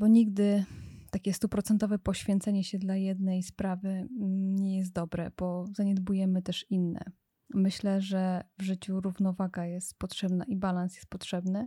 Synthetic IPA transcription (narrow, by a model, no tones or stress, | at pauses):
bɔɲiɡd̪ɘt̪akʲɛst̪upɾɔt̪sɛnt̪ɔvɛpɔɕfʲjɛnt̪sɛɲɛɕɛd̪lajɛd̪nɛjspɾavɘɲɛjɛs̬t̪̚d̪ɔbɾɛb̥ɔzaɲɛd̪bujɛmɘt̪ɛʂinːɛ̰ | mɘɕlɛʐɛvʐɘt͡ɕuɾuvnɔvaɡajɛst̪̚pɔtʂɛbnaʔibalansjɛ̥st̪pɔtʂɛbnɘ